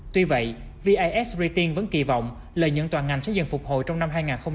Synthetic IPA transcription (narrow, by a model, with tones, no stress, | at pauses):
t̪wi˧və̰˧˨j | vi˧ʔaː˧jʔɛ˦˥sbɹi˧t̪i˧ŋvə̰˧˦nki˧˩vɔ̰˧˨wŋ͡m | ləː˨˩jɲə̰˧˥ŋt̪waː˨˩nŋa˨˩ŋ̟sɛ̰˧˥zɨ̰˧˨nfʊ˨˩k͡p̚ho̰˧˨jt͡ɕɔ˧wŋ͡mna˧mɦaː˧jŋaː˨˩nxə˧wŋ͡m